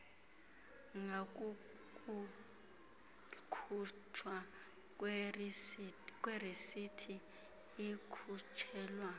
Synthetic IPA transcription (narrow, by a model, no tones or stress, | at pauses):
ŋak̬ʼu | kʼu | kʰutʰwa | k̬ʼw | k̬ʼwerisitʰiː | kʰut͡ʃʰɛːlwa